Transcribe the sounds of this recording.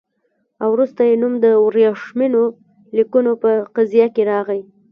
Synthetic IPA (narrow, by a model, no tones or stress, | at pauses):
awɾust̪ajenumd̪əwɾjɑʂmino | likunopəqazijakeɾɑɣəj